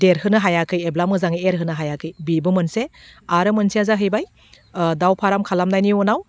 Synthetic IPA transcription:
deɾɦɯnɯɦajakʰɯjeblamɯzaŋieɾɦɯnɯɦajakʰɯjbibɯmɯnseaɾɯmɯnsiazaɦɯjbaj | dawpʰaɾamkʰalamnajniɔnaw

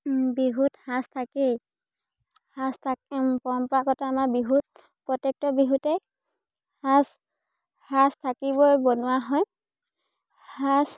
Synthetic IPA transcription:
biɦuthãstʰake | hastʰapɔɹɔmpɔɹakɔtaːmaɹbiɦut̚ | pɹɔtɛk̚tɔbiɦutɛ | has | hastʰakibɔbɔnʊwaɦɔj | has

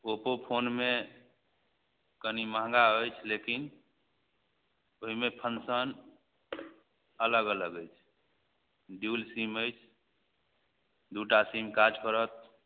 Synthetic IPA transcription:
opopʰonme | kənimãɦŋɡaojt͡ʃʰlekin | oɦimepʰənsən | ələɡələɡəjt͡ʃʰ | ɖjulsiməjt͡ʃʰ | d̪uʈasimkad͡ʒkəɾət̪̚

